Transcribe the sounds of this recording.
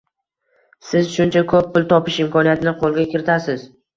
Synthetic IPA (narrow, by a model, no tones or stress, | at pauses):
sɪzʃʊnt͡ʃʰakʰɵpːʊlˠt̪ʰɒpɪʃɪmkʰɒnijat̪ʰɪnɪqʰolˠɡʲakʲɪɾɪt̪ʰasɪz